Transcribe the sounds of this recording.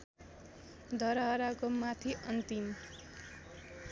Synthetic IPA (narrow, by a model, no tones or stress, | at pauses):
d̪ʱʌɾɦʌɾakomat̪ʰiʔʌnt̪im